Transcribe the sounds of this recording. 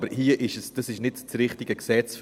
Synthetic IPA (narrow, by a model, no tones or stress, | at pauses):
bəɾhiːəʔɪʃəsd̥ɑsɪʃnɪtt͡srɪχtɪɡəksɛt͡sf